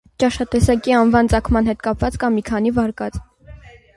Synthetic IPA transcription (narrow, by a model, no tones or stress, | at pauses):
t͡ʃɑʃɑt̪ɛsɑkiɑnvɑnt͡sɑkʰmɑn̪ɦɛt̪kɑpvɑt͡skɑmːikʰɑnivɑɾkɑt͡s